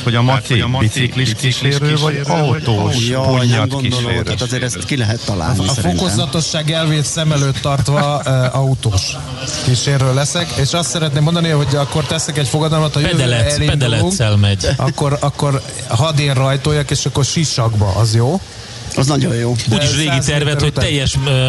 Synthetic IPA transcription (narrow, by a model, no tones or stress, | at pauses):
ho | iikliiʃiɾøːvɒɟɒut̪oːpoɲːɒkid̪ːazeːɾɛst̪kilɛɦɛt̪ːɒla̰ːnifokozɒt̪o̞ʃːaːɡɛlveːt̪sɛmɛløːt̪ːɒrt̪ʋɒɒut̪oːʃ | kiʃeːrːøːlːɛsɛkeːʃɒst̪sɛɾɛt̪neːmːond̪ɒniɦo̞ɟɒkːo̞rt̪ɛsɛkɛcfo̞ɡɒd̪ɒlmɒt̪hɒjɛlɛɛliɛd̪ɛlɛuŋksɛlmɛɟɒ̰kːo̞ɾɒkːo̞r | ɦɒd̪eːrːɒjt̪oːjɒkeːʃɒkːo̞rʃiʃɒɡbɒ̰ʔɒzjoː | ɒznɒɟojjoːd̪uːɟiʃreːɡit̪ɛrvɛhot̪ːɛjːɛʃ